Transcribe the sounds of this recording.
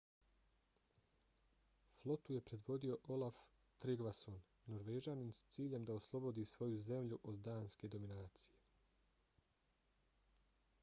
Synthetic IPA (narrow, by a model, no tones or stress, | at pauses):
flˠo̞t̪uje̞pɾe̞d̪ʋo̞d̪io̞ʔo̞lˠaf | t̪ɾiɡʋasonː | oɾʋeːd͡ʒaːnimst̪siːʎe̞md̪aoslˠo̞bo̞d̪iːsʋo̞juze̞mʎuʔo̞d̪d̪aːnske̞d̪o̞minaːt̪sije̞